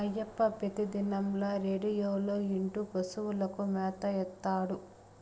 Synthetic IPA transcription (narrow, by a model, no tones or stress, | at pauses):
ɐjːɐpːɐpet̪id̪inɐmloːɾeːɖijoːloːiɳʈupɐsuwulɐkumɛːt̪ɐjɛt̪ːaːɽu